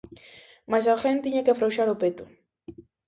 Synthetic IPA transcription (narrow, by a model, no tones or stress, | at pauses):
masaxent̪iɲakefɾowʃaɾopet̪ʊ̥